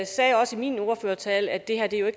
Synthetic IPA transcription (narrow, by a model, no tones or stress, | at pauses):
sɛːjɒ̽səimiːno̝ːɐføːɐt͡sʰɛːlæd̥e̝hæɐ̰d̥ejo̝e̝ɡ̥